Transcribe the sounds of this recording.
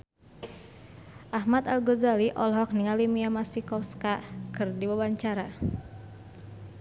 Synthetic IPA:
ʔaɦmat̪alɡozaliʔɔlɦɔk̚niŋalimiamasikɔfskakɨrdiwabaɲt͡ʃaɾa

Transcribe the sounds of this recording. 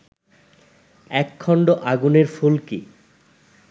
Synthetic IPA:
ɛkʰːɔɳɖoʔaɡuneɾfulki

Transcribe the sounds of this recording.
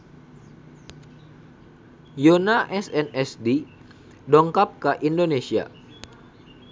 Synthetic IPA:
jonaʔɛsɛnɛsdi | dɔŋkap̚kəʔindonesia̰

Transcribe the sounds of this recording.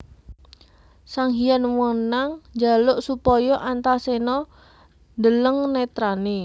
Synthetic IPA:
saŋɦijanwɔnaŋd͡ʒalʊʔsupɔjɔʔant̪asenɔ | nd̪ələŋnɛt̪ɾani

